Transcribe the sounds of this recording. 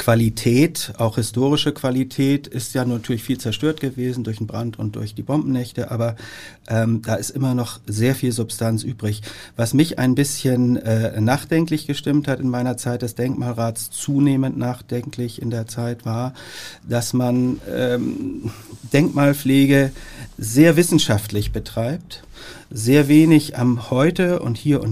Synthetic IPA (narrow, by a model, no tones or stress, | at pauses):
kv̥alitʰɛːtʔaʊxhɪstoːʁɪʃəkv̥alitʰɛːtɪstjaːnuntʰyːɐlɪçfiːlt͡sɛɐʃtøːɐtɡ̥əveːzn̩dʊɐçn̩bʁantʊnt̚d̥ʊ̰ɐçd̥iːbɔmbm̩nɛçtəʔaːbɐ | ʔɛːmd̥aːɪstʔɪmɐnɔχzeːɐfiːlzʊpstʰant͡sʔyːbʁɪçv̥asmɪça̰ɪnbɪsçənɛːnaːχd̥ɛŋklɪçɡ̥əʃtɪmthatɪnmaɪnɐt͡saɪt̚d̥ɛsd̥ɛŋkmaːlʁaːtst͡suːneːməntnaːχd̥ɛŋklɪçɪ̰ndeːɐt͡saɪtv̥aːɐ | d̥asmanɛ̰ːm | d̥ɛŋkmaːlfleːɡəzeːɐvɪsn̩ʃaftlɪçb̥ətʁ̥aɪp̚t | zeːɐveːnɪçamhɔʏtəʊ̰nthiːɐʔʊ̰n